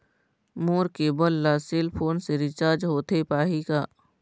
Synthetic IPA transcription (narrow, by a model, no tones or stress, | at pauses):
moːɾkebəlːaseːlpʰoːnseɾɪt͡ʃaːɾd͡ʒɦoːt̪epaːɦikaː